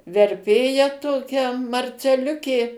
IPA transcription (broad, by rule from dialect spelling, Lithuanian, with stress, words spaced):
ʋʲɛrʲˈpʲeːjɛ ˈtoːkʲɛ mɐrʲt͡sʲɛˈlʲʊkʲeː